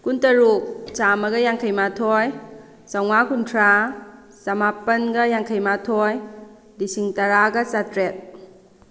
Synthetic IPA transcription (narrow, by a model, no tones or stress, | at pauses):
kuntɐɾuk̚t͡ʃamɐɡɐjaŋkʰɐjmatʰɔj | sɐwmakuntʰɾa | sɐmapɐnɡɐjaŋkʰɐjmatʰɔj | disiŋtɐɾaɡɐt͡ʃatɾet̚